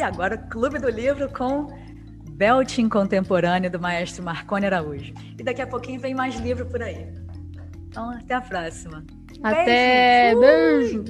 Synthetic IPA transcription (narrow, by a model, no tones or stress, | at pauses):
ɪaɡɔɾɐʊklubɪd̪ʊlivɾʊkõ | bɛwt͡ʃĩkõnt̪ẽmpoɾɐ̃nʲʊd̪ʊmaɛʃt̪ɾʊmahkõnɪaɾauʒʊ | ɪd̪akiɐpokĩɲʊvẽj̃majzlivɾʊpʊɾai | t̪ɐ̃w̃at̪ɛɐpɾɔsimɐ | aẽt̪ɛe